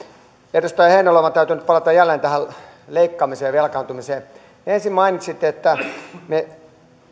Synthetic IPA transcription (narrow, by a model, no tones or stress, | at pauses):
erust̪ɑiheinloˑmɑt̪æyt̪ynyt̪̚pɑlɑt̪ɑjælːeːnt̪æhæl | leikːɑːmiseːjɑʋelkɑːˑnt̪umiseː | ensimmɑinit̪ʲsit̪ːeet̪ːæme